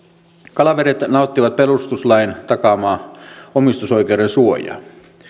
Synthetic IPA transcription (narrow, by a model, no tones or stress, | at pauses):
kɑlɑʋeɾet̪nɑot̪ːiʋɑt̪̚pelust̪uslɑint̪ɑkɑmɑːomist̪uso̞jkeuɾensuojɑ̰